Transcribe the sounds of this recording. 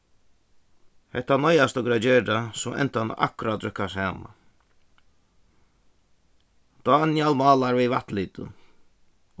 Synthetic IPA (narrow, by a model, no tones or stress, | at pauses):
hɛht̪ːanɔjast̪ɔɡɾad͡ʒeːɾd̪asɔʔɛ̰nt̪an̰ʔa̰kʊɾat̪ːɾʏkːasaːma̰ | d̪̥anjalmɑːlaɾʋiʋat̪liːt̪ə̰